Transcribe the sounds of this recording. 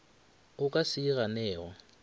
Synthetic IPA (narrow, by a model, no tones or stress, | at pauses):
ʊkʼasiɣanɛːwa